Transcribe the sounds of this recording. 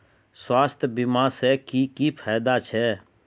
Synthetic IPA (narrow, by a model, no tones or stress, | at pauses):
swaːst̪ʰbimãːsɛːkiːkiːpʰaːd̪aːt͡ʃʰɛː